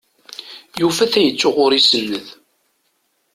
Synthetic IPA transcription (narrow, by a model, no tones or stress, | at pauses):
jufæθæjət͡sːʊʁʊɾisənːəð